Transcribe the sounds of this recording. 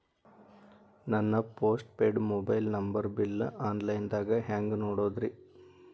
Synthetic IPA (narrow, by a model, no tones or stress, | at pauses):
nɐnːɐpoːsʈ̚peːɖmoːbɐjlnɐmbɐɾbilːaːnlɐjnd̪aːɡɐɦaːŋɡnoːɽoːd̪ɾi